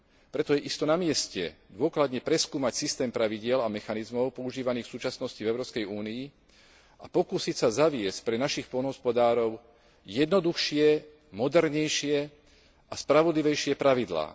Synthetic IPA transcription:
pɾɛt̪ɔjɛʔist̪ɔnamɪɛscɛ̰d̪ʊɔklad̪ɲɛpɾɛskuːmacsist̪ɛːmpɾaʋiɟɪɛlamɛxanizmɔʊpɔuʒiːʋaniːxfsuːt͡ʃasnɔscivɛʊɾɔːpskɛjuːnii | apɔkuːsicsazaʋɪɛsc̚pɾɛnaʃixpɔlnɦɔspɔd̪aːɾɔʊ | jɛd̪nɔd̪uxʃɪɛ | mɔd̪ɛɾɲɛjʃɪɛ | ʔaspɾaʋɔd̪liʋɛjʃɪɛpɾaʋid̪la̰ː

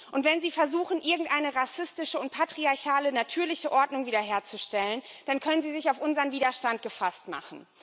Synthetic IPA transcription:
ʔʊntv̥ɛnziːfɛɐzuːxn̩ʔɪɐɡŋ̩tʔaɪnəʁasɪstɪʃəʊnt̚pʰatʁ̥iaɐçaːlənatʰyːɐlɪçəʔɔɐdnʊŋviːdɐɦeːɐt͡suʃtɛlənd̥ankʰœnənziːzɪçaʊfʔʊnzəʁənviːdɐʃtant̚ɡ̥əfastma̰χn̩

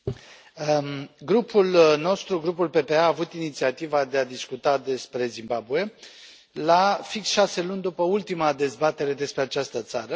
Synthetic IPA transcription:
ɡɾupʰulno̞st̪ɾuɡɾupulpe̞pe̞aaːvut̪init̪siat̪ivad̪e̞ad̪iskut̪ad̪e̞spɾe̞zimbabue̞ | lafiksʃase̞lunʲd̪upəult̪imad̪e̞zbat̪e̞ɾe̞d̪e̞spɾe̞at͡ʃast̪ət̪saɾə

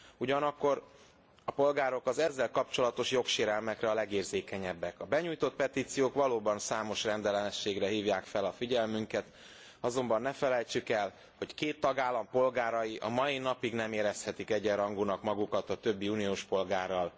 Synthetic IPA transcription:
uɟɒnɒkːo̞r | ɒpo̞lɡaːɾo̞kɒzɛzːɛlkɒpt͡ʃo̞lɒt̪o̞ʃjo̞kʃeːɾɛlmɛkrɛɒlɛɡeːrzeːkɛɲɛbːɛkɒbɛɲuːjt̪o̞t̪̚pɛt̪iːt̪sijoːkʋɒloːbɒnsaːmo̞ʃrɛnd̪ɛlɛnɛʃːeːɡrɛɦiːvjaːkfɛlɒfiɟɛlmyŋkɛt̪ | ɒzo̞mbɒnːɛfɛlɛjt͡ʃykɛl | ho̞ckeːt̪ːɒɡaːlːɒmpo̞lɡaːɾɒjiʔɒmɒjinɒpiɡnɛmeːɾɛshɛt̪ikɛɟɛɾɒŋɡunɒkmɒɡukɒt̪ɒt̪ø̞bːiunijoːʃpo̞lɡaːrːɒl

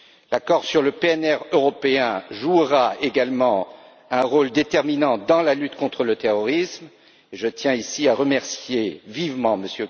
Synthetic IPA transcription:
lakɔʁsyʁləpeɛnɛʁøʁɔpeɛ̃ʒuʁaeɡalmɑ̃ | ɛ̃ʁold̪et̪ɛʁminɑ̃d̪ɑ̃lalyt̪kɔ̃t̪χələt̪eʁɔʁism | eʒət̪jɛ̃isiaʁəmɛʁsjevivmɑ̃məsjø

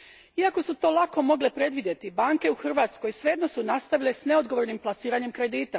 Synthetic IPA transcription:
iako̞sut̪o̞ːlako̞mo̞ɡlepɾe̞d̪ʋid̪je̞t̪ibaːŋke̞uxr̩ʋaːt̪sko̞jsʋeed̪no̞sunast̪aʋilesne̞o̞d̪̚ɡo̞ʋoɾnimplˠasiːɾaɲe̞mkɾe̞d̪iːt̪a

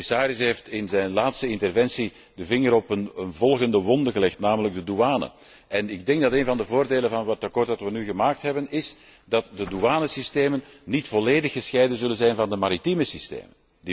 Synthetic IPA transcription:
ɪsaːɾɪsɦeːftɪnzɛjnlaːtstəɪntərvɛnsi | dəvɪŋəɾɔpənənvɔlˠɣəndəwɔndəɣəlɛxtnaːmələɡ̚dəduaːnə̰ | ʔɛnɪɡ̚dɛŋɡ̚dɑteːnvɑndəvoːrdeːlənvɑnɑtakɔːrt̚dɑtʋənyɣəmaːk̚tɦɛbənɪsdɑtdəduaːnəsisteːmənːitfɔleːdəxːəsxɛjdənzɵlənzɛjnvɑndəmaɾitiməsistḛːmən | di

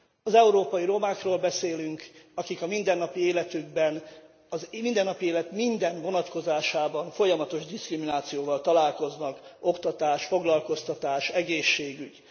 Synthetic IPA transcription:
ɒzɛuɾoːpɒjiɾo̞maːkroːlbɛseːlyŋkɒkikɒmind̪ɛnːɒpieːlɛt̪yɡ̚bɛn | ɒzmind̪ɛnːɒpieːlɛt̪mind̪ɛnvo̞nɒt̪ko̞zaːʃaːbɒɱfo̞jɒmɒt̪o̞ʒd̪iskriminaːt̪sijoːvɒlt̪ɒlaːlko̞znɒko̞kt̪ɒt̪aːʃfo̞ɡlɒlko̞st̪ɒt̪aːʃɛɡeːʃːeːɡyɟ

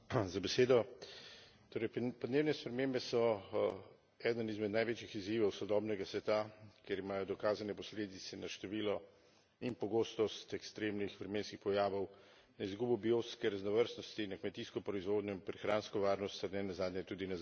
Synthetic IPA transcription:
zabɛseːd̪ɔ | t̪oːɾɛjpɔd̪newnɛspɾɛmeːmbɛsɔ | ɛd̪ənizmɛd̪najʋeːt͡ʃixiziːʋɔwsɔd̪ɔːbnɛɡasʋɛt̪akjeɾimaːjɔd̪ɔkaːzanɛpɔsleːd̪it̪sɛnaʃt̪ɛʋiːlɔ | inpɔɡoːst̪ɔst̪ɛkst̪ɾeːmnixʋɾɛmeːnskixpɔjaːʋɔw | naizɡubɔbioskɛɾaznɔʋəɾst̪nɔst̪inakmɛt̪iːskɔpɾɔizʋoːd̪ɲɔinpɾɛxɾaːnskɔʋaːɾnɔst̪aɾnɛnazaːd̪ɲɛt̪uːd̪ina

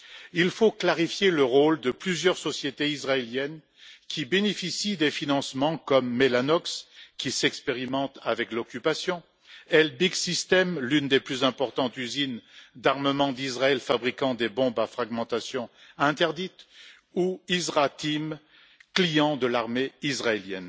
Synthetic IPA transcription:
ilfoklaʁifjeləʁold̪əplyzjœʁsɔsjet̪eizʁaeljɛn | kʲʰibenefisid̪efinɑ̃smɑ̃kɔmːelanɔkskʲisɛkspeʁimɑ̃t̪avɛklɔkʲypasjɔ̃ | ɛlbiɡsist̪ɛmlynd̪eplyzɛ̃pɔʁt̪ɑ̃t̪yzind̪aʁməmɑ̃d̪izʁaɛlfabʁikɑ̃d̪ebɔ̃bafχaɡmɑ̃t̪asjɔ̃ɛ̃t̪ɛʁd̪it̪ | uizʁat̪im | klijɑ̃d̪əlaʁmeizʁaeljɛ̰n

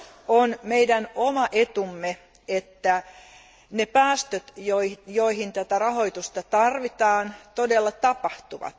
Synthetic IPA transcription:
onmeidænomɑʔet̪umːe | et̪ːæ | nepæːst̪øt̪jojoihint̪æt̪ærɑho̞it̪ust̪ɑt̪ɑrʋit̪ɑːnt̪odelːɑt̪ɑpɑht̪uʋɑ̰t̪

